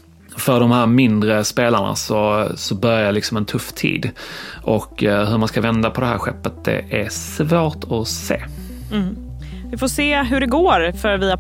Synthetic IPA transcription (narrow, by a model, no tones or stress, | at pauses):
fœɖɔmhæːɾmɪnd̪ɾəspeːlaɳa̰sɔsɔbœɾjalɪksɔmɛnt̪ʰɵfːt̪ʰḭːd̪ʔɔkːɦɵmanskavɛnd̪apʰɔd̪ɛɦæ̰ːɾɧɛ̰pːət̪̚d̪ɛ̰ʔæɾsvoːʈɔsḛː | vɪfoːseːɦɵɖɛɡoːɾfœɾviːa